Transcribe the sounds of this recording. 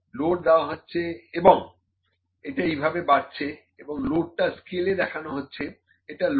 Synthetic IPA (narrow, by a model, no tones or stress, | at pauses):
loʈ̚d̪eoaɦotːɕʰeeboŋ | eʈaejbʱabebaɾt͡ɕʰe | eboŋloʈ̚ʈaskiled̪ɛkʰanoɦotːɕʰe | eʈal